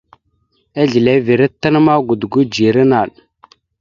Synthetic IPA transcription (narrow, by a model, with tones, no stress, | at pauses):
a˦ɮi˨le˨˦vi˨ɾə˦tːə˦n˦ma˦ɡu˨dɡu˦d͡ʒi˨ɾə˦na˨ɗ